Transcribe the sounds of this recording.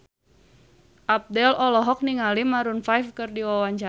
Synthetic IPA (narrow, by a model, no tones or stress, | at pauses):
ʔap̚dɛlɔlɔɦɔk̚niŋalimaɾunfajfkɨrdiwawaɲt͡ʃa